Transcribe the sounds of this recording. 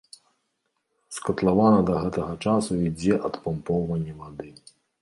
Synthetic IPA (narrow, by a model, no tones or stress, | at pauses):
skɐt̪lˠavanɐd̪ɐɣɛt̪ɐɣɐt͡ʂasuid͡zʲɛʔɐt̪pampɔwvɐnʲːivad̪ɨ